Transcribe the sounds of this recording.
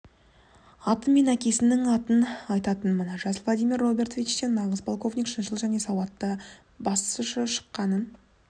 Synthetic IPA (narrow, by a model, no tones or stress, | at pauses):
ɑt̪ənme̞nækʲe̞sɪnɪŋɑt̪ənɑjt̪ɑt̪ənmənəʒɑzəlˠvlˠad̪ijmirːo̞bʲe̞rt̪vʲit͡ʃt̪e̞nːɑʁəzpʰo̞lˠko̞vnʲikʃənʃəlˠʒæne̞sɑwɑt̪ːə | bɑst̪ə̥sʊʃəʃə̥qːɑnən